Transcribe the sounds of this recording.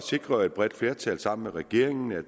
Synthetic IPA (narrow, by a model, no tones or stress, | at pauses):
se̝ɡ̥ʁɐe̝d̥̚b̥ʁɛd̥fle̝ɐt͡sʰæ̰lsɑ̈m̰n̩meʁɛɡ̥e̝̰ɐ̰e̝ŋn̩æ̥